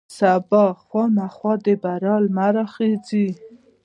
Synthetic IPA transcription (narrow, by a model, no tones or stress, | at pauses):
sabɑχwɑmaχwɑd̪ebaɾɑlmaɾɑχed͡zi